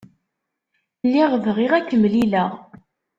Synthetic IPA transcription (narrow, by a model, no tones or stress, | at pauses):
lːiʁvʁiʁækːəmliləʁ